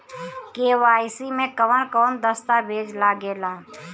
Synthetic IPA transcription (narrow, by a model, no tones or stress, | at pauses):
keːwaːɪsimẽkəʋənkɔːnd̪əst̪abʱeːd͡ʒlaɡeːlaː